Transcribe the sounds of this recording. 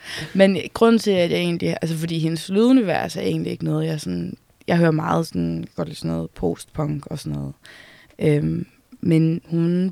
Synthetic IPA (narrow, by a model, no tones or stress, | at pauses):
menɡ̥ʁɔn̰n̩t͡sʰe̝æd̥jae̝̰ːndliʔæls̬əfɒ̽d̥ḭːɦe̝nəsluðˠuniʋæɐ̰sæɐe̝̰ːndlie̝ɡ̥nɔ̽ːð̩ˠjɑɐsɔ̽n | jɑ̈ɪɦøːɐmɑ̈ːð̞̩ˠsɒnɡ̥ɒ̰d̥lḭsnɔːð̩ˠpʰo̰ːsd̥pʰɒ̽ŋɡ̥ɒ̽sɒnɔ̽ːð̩ˠ | ʔøm | menhun